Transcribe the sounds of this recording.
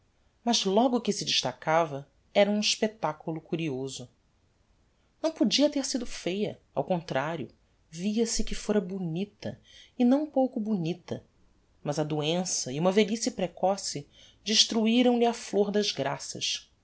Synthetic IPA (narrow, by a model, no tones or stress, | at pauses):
mɐzlɔɡʊkɪsɪd͡ʒiʃt̪akavɐ | ɛɾɐũiʃpet̪akulʊkuɾiozʊ | nɐ̃w̃pod͡ʒiɐt̪eɾsid̪ʊfejɐ̰ | a̰wkõnt̪ɾaɾjʊ̰ | viɐsɪkɪfoɾɐbunit̪ɐ̰ɪnɐ̃w̃powkʊbunit̪ɐ | mɐzɐd̪uẽsɐiũmɐvelisipɾekɔsɪ | d͡ʒiʃt̪ɾuiɾɐ̃w̃lɪɐfloɾd̪ɐzɡɾasɐ̰ʃ